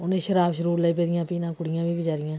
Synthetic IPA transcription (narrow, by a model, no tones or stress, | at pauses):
ʊnẽːʃəɾaːbʃəɾuːɾləiːp̬eːd̪ɪjãːpiːnãːkʊɽɪjãːbiːbɪd͡ʒaːɾɪjãː